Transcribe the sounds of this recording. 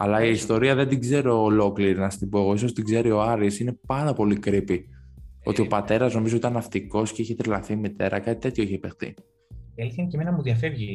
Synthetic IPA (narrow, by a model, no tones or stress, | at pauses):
ɐ̰lɐiːst̪o̞ɾiɐðe̞nd̪iɡze̞ɾo̞ːlo̞kliɾinɐst̪ibo̞eɣo̞iso̞st̪iɡze̞ɾio̞ɐɾisine̞pɐnd̪ɐpo̞likɾipi | o̞̰t̪io̞pɐt̪e̞ɾɐzno̞mizoit̪ɐnɐft̪iko̞sce̞içet̪ɾilɐθimit̪e̞ɾɐkɐt̪i̥t̪e̞t̪çoiçeipexθḭ | eliθiɐceminɐmuðɐfevʝi